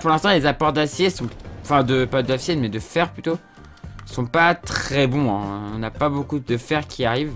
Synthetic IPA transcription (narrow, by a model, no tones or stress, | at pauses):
puʁlɛ̃st̪ɑ̃lezapɔʁd̪asjesɔ̃ɑ̃fɛ̃d̪əpad̪afsjɛnmɛd̪əfɛʁplyt̪o | sɔ̃pat̪χɛbɔ̃ɛ̰̃ɔ̃napabokud̪əfɛʁkʲʰiaʁiv